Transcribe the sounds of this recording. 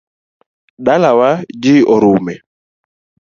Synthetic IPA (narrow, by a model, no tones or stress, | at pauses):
ɗalawad͡ʒiʔɔɾumɛ